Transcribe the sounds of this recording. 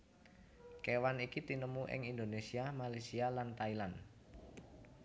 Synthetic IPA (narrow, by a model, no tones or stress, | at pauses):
kewanikit̪inəmuʔɪ̰ŋind̪onesiamalasialant̪ailan